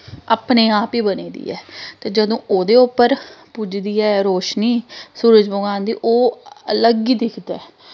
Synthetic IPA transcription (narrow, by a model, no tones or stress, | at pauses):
aːpneːaːpiːbəneːd̪ḭːɛ̰ːt̪eːd͡ʒəd̪õːʔoːd̪eːʊpːəɾpʊd͡ʒd̪iːɛːɾoːʃniːsuːɾəd͡ʒboɡãːnd̪iːʔoːələɡiːd̪ɪkʰd̪ɛː